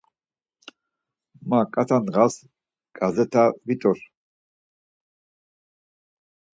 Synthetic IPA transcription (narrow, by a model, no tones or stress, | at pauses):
makʼat̪ʰanʁas | ɡ̥azɛt̪ʰavit̪ʼɔɾ